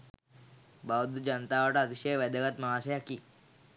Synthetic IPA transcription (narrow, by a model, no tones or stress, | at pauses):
baʋd̪ud͡ʑənt̪aʋaʈaːt̪iɕəjʋəd̪əɡat̪maɦasejakiː